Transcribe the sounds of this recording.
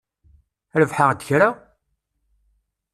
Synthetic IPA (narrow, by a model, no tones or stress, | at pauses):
ɾəvħad̪ːəçɾa